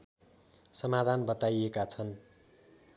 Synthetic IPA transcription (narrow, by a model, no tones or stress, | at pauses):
sʌmad̪ʱanbʌt̪ajekat͡sʰʌn